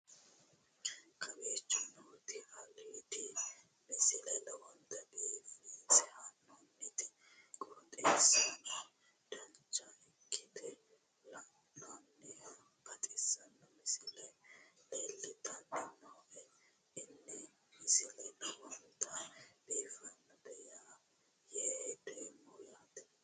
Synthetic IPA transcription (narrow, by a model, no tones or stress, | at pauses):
kɐbeːt͡ʃːʊnɔːt̪ɪhɐleːt̪ɪ | mɪsɪlɛlɐwɔnt̪ɐbiːfisɛhɐnːonːɪt̪ɪ | ɡʼot̪ʼesɐnɔ | d̪̥ɐnt͡ʃːɐɛkʰːɪd̪ɛ | lɐ | nɔnːɛ | ɡ̥ɐt̪ʼɪsɐnːɐmɪsɪlɛleːlːɪt̪ɐnːɪnɔʔɛ | ɪnːɛ | mɪsɪlɛlɐwɔnt̪ɐb̥iːfɐnːɐd̪ɛjaː | jed̪eːmːɔjaːt̪ɪ